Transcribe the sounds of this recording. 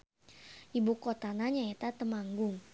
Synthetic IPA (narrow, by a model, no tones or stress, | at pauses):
ʔibukot̪anaɲaet̪at̪əmaŋɡʊŋ